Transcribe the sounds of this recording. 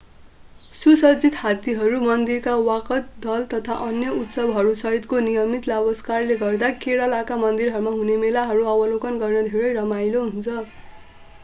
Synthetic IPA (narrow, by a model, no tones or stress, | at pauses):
susʌd͡zit̪hat̪iɦʌɾumʌnd̪irkawakʌt̪d̪ʌlt̪ʌt̪ʰaʔʌnjʌut̪sʌbɦʌɾusʌɦit̪konijʌmit̪labʌskarleɡʌrd̪akeɽʌlakamʌnd̪irɦʌɾumaɦunemelaɦʌɾuʌwʌlokʌnɡʌrnʌd̪ʱeɾʌjɾʌmajloɦunt͡sʰʌ